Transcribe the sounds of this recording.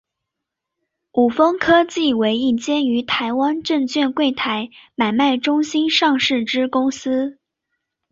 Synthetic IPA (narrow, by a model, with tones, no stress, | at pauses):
u˨˩fɤ˥ŋkʰɤ˥t͡ɕi˥˩we˧˥ɪi˥˩t͡ɕjɛ˥ny˧˥t̪ʰa˧˥ɪwa˥nʈ͡ʂɤ˥˧ŋt͡ɕɥɛ˥˧nkwe˥˩ɪt̪ʰa˧˥ɪma˨˩ɪma˥˩ɪʈ͡ʂʊ˥ŋɕi˥nʂɑ˥˧ŋʂɻ̩˥˩ʈ͡ʂɻ̩˥kʊ˥ŋsɹ̩˥